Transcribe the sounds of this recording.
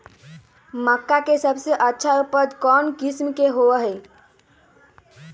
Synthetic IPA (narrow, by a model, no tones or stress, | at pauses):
məkːakesəbseʔətːʃʰaupəd̪kɔnkismkeɦoəɦɛɪ